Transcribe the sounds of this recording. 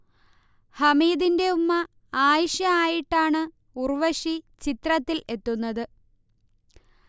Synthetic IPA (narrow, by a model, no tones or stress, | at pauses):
hɐmiːðinde̞umːɐ | aːjɐʂjɐaːjiʈːaːɳɨ | urʋɐʂit͡ɕit̪rɐt̪ːile̞t̪ːunːɐðɨ